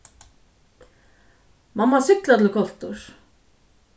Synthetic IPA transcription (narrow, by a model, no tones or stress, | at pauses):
mamːasɪklat̪ʰɪlkʰɔl̥t̪ʊɹ̥